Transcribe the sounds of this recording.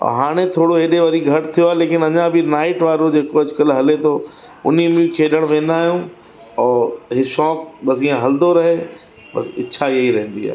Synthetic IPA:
ɔ̰ːɦaːɽ̃ẽt̪ʰoːɽoeːɗeʋɐɾiɡʱɐʈt̪ʰijoaːɦleːkɪnɐɲãbɪnaːɪʈʋaːɾod͡ʑeːkoɐd͡ʑʊkəlɦɐlet̪ʰo | ʊ̰nimẽkʰeːɗəɽ̃ʋẽːnaːijũ | ɔːɦɪʃɔːkɓɐsiːãɦɐld̪oɾɐɦe | ɓɐ̰sɪ̰ːɕʰaieiɾɐɦə̃n̆d̪ia̰ː

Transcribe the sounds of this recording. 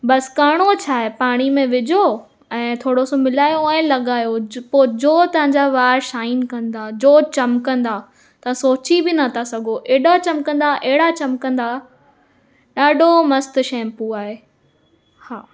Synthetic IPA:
ɓɐskaːɽ̃ot͡ɕʰaːɦepaːɽ̃imẽʋɪd͡ʑʱo | ɛ̃ːt̪ʰoːɽosomɪlaːjoɛ̃ːlɐɠaːjopoːd͡ʑoːt̪ɐʋ̤ə̃ɲd͡ʑaʋaːɾʃaːɪnkɐ̃nd̪aːd͡ʑoːt͡ɕɐmkɐ̃nd̪a | t̪ɐʋãsoːt͡ɕibɪnɐt̪ʰasɐɡʱoʔɛːɗat͡ɕɐmkɐ̃n̆d̪aʔɛɦɪɽat͡ɕɐmkɐ̃nd̪a | ɗaːɖʱomɐst̪ʊʃɛ̃ːmpuaːɦeː | haː

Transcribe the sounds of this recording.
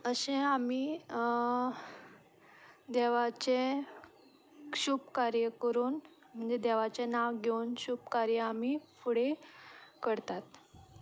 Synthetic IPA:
əɕẽamiː | d̪ɛʋat͡ɕe | ɕuːbkaɾjəkəɾuːn | m̤əɳd͡zed̪eʋ̤at͡ɕenaʋɡʱeunɕuːbkaɾjəam̤iːpʰuɽe | kəɾt̪at̪

